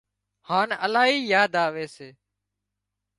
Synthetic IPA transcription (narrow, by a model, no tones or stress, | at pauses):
haːnəlaːɦiːjaːd̪aːʋeːseː